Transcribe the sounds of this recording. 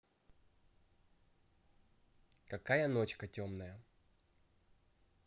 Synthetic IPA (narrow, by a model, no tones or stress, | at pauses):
kɐkajənot͡ɕkɐtʲo̞mnəjə